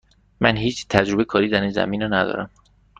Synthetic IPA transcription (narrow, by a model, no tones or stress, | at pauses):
mænɦiːt͡ʃt̪ʰæd͡ʒɾobekʰɒːɾiːd̪æɾinzæ̰miːnɒnæd̪ɒ̰ːɾæm